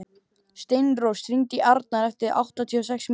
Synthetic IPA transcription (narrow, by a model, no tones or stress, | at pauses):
st̪ejnrowst̪ɾiŋc̪ɪʔaɾt̪̚naɾɛft̪ɪɾa̰wht̪at̪ʰiɔs̬ɛksm